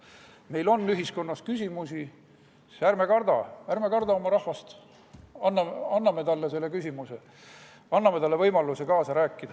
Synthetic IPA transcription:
me̞jlo̞nːyɦisko̞nːɑskysʲimusi | særme̞kɑrd̪̥ɑjærme̞kɑrd̪ɑo̞mɑɾɑhvɑst̪ | ɑnːɑmɑnːɑme̞t̪ɑlːese̞lːekysʲimuse | ɑnːɑme̞t̪ɑlːe̞vɤjmɑlusekɑːsɑɾæːkːˑid̪̥ɑ

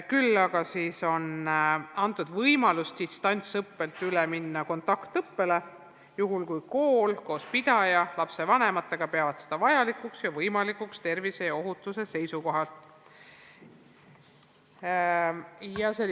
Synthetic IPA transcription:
kylːɑɡ̥ɑsiːso̞nɑnt̪ːˑud̪̥vɤjmɑlust̪ist̪ɑnʲt̪sɤpːe̞lt̪ˑyleminːɑko̞nt̪ɑkt̪ɤpːe̞le̞ | juɦulkujko̞ːlko̞ːspid̪̥ɑjɑlɑpse̞vɑne̞mɑt̪ːˑe̞ɡ̥ɑpe̞ɑvɑd̪̥se̞d̪̥ɑvɑjɑlikuksjɑvɤjmɑlikukst̪e̞rvise̞jɑo̞ɦut̪ːˑuse̞se̞jsuko̞ɦɑlt̪ | jɑse

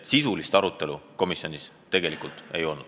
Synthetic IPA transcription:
t̪sisulist̪ɑɾut̪ːˑe̞luko̞misʲionʲis | t̪e̞ɡ̥e̞likult̪ejo̞lnud̪̥

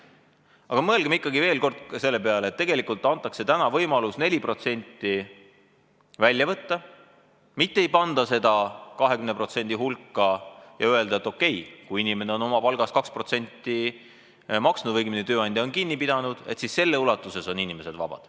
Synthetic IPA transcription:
ɑɡ̥ɑmɤlɡ̥emikːɑɡive̞ːlko̞rd̪̥se̞lːepe̞ɑlet̪ːe̞ɡelikult̪ːˑɑnt̪ːˑɑkse̞t̪ænɑvɤjmɑlusne̞lʲipro̞t̪se̞nʲt̪ːˑi | vælʲːjɑvɤt̪ːɑ | mit̪ːeejpɑnd̪ɑse̞d̪ɑkɑɦe̞kymnepro̞t̪se̞nʲd̪̥iɦulkːɑjɑye̞ld̪ɑet̪ːˑo̞kːe̞jkujinime̞neo̞no̞mɑpɑlɡ̥ɑskɑkspro̞t̪se̞nʲt̪ːi | mɑksnud̪vɤjɡminet̪ø̞ːɑnʲd̪ʲjɑo̞nkinːipid̪̥ɑnud̪̥e̞̰t̪sisːe̞lːeulɑt̪ːˑuseso̞ninime̞se̞d̪vɑ̰b̥ɑ̰d̪̥

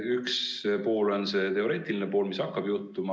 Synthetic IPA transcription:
ykspo̞ːlo̞nse̞t̪e̞o̞ɾe̞ːt̪ːˑilinepo̞ːlmisɑkːɑb̥jut̪ːˑumɑ

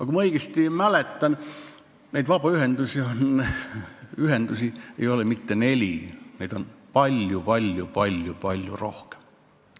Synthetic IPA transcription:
ɑkumɑɤiɡ̥est̪imælet̪ːæn | næid̪ʋɑpɑyhend̪usion | yhend̪usiḛjolemit̪ːenelʲineid̪̥onpɑlʲjupɑlʲjupɑlʲjupɑlʲjṵrohke̥m

